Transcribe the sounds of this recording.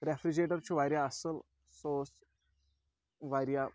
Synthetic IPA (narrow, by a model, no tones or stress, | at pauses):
ɾefɾid͡ʑeʈəɾt͡ɕʰuʋaɾjaəsəl | sos | ʋaɾja